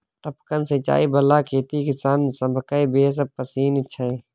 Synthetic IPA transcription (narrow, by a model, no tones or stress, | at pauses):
ʈəpkənset͡ʃa̰ːiːbəlːaːkʰeːt̪ikɪsaːnsəmbʱəkaːibeːs̬əb̚pəsiːnɪtːʃʰaɦeː